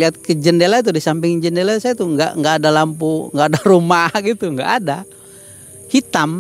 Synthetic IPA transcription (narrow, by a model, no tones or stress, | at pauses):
liɦat̪̚kəd͡ʒəndelat̪̬udisampɪŋd͡ʒəndelasajt̪uŋɡa̰ʔŋɡaːdalampuŋɡaːdaɾumaɡit̪uŋɡa̰ʔːda | hit̪am